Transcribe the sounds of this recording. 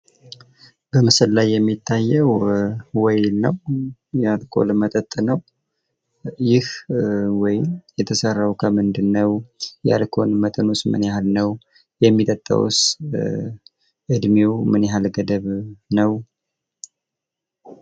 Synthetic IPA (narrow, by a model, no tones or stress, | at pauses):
b̥əmɨsəllajːɛmːit̪ʰːajːəwwɔjlnəwjalkʰo̰lmət̪ʼət̪ʼnəw | jɪhwɔjjɛt̪ʰəsərːawkʰəmɨnd̪ɨnːəwja̰lkʰo̞nmət̪ʼɨnusmɨ̰njahalnəw | jɛmːit̪ʼət̪ʼːa̰wṵs | ʔɨd̪mewmɨnjɦalɡəd̪əβnəw